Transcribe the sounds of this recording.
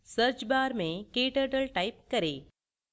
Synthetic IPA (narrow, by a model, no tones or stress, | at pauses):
sɐɾt͡ʃbaːɾmẽkeːʈəʈəlʈaːɪp̚kɐɾeː